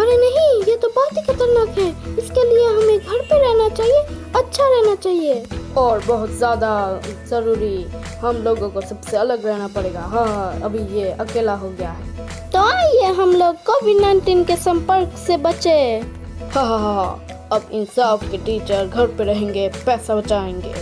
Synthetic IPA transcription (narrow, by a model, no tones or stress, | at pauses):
əɾenəɦĩjet̪obɐɦʊt̪ikʰət̪əɾnəkɦɛɪskelieɦɐmẽɡʱəɾpeɾɛɦnat͡ʃaːɦieɐtːʃʰaɾɛɦnat͡ʃaːɦieɔːɾbəɦʊt̪zjaːd̪azəɾuːɾi | ɦəmloːɡõkosəbseɐləɡɾɛɦnapəɽeːɡaɦãɦə̰bʱijeəkeːlaɦoɡjaɦɛː | t̪oaijeɦəmloːɡ̚kobʱinaɳʈinkesə̃mpəɾksebət͡ʃe | hə̃ɦɦ | əbɪnsaːbkeʈiːt͡ʃəɾɡʱəɾpeɾəɦẽŋɡepɛːsabət͡ʃaẽŋɡḛ